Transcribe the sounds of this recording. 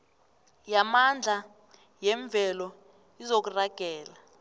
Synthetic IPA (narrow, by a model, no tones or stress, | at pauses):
jamand͡ɮʱa | jɛɱb̪vʱɛlɔ | izok̬uraɡ̥ʱɛːla